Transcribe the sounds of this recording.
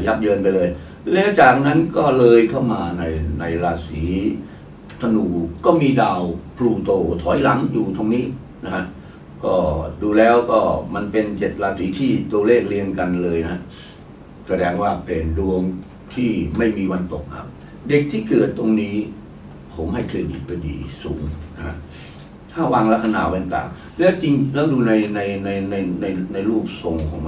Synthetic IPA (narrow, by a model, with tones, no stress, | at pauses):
ja˦˥p̚jɤː˧npa˧jlɤː˧j | lɛː˦˥wt͡ɕaː˨˩k̚na˦˥nkɔː˥˩lɤː˧jkʰa˥˩wmaː˧na˧jna˧jɾaː˧siː˩˦ | t̪ʰa˧nuː˨˩kɔː˥˩miː˧daː˧wpʰluː˧˩t̪oː˧˩t̪ʰɔː˩˦jla˩˦ŋjuː˨˩t̪o˧ŋniː˦˥ | na˦˥ha˦˥ʔ | kɔː˥˩duː˧lɛː˦˥wkɔː˥˩ma˧npe˧nt͡ɕe˨˩t̪̚ɾaː˧siː˩˦t̪ʰiː˥˩t̪u˧əleː˥˩k̚li˧ənka˧nlɤː˧jna˦˥ʔ | sa˧dɛː˧ŋwaː˥˩pe˧ndu˧əŋ | t̪ʰiː˥˩ma˥˩jmiː˧wa˧nt̪o˨˩k̚na̰˦˥p̚ | de˨˩k̚t̪ʰiː˥˩kɤː˨˩t̪ːo˧ŋniː˦˥ | pʰo˩˦mha˥˩jkʰleː˧˥dḭː˨˩t̪̚pa˧˩jdḭː˧suː˩˦ŋna˦˥kʰa̰˦˥ʔ | t̪ʰaː˥˩waː˧ŋla˦˥kʰa˧na̰ː˨˩˦wa˧nt̪a̰ː˨˩ŋ | lɛː˦˥wt͡ɕi˧ŋlɛː˦˥wduː˧na˧jna˧jna˧jna˧jna˧jna˧jluː˥˩p̚so˧ŋkʰɔ̰˩˦ŋma˧